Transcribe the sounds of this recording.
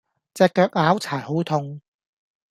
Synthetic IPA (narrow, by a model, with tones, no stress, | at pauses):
t͡sɛː˨kːœː˧k̚aː˨˥wt͡sʰaː˨˩jho˨˥wt̪ʰʊ˧ŋ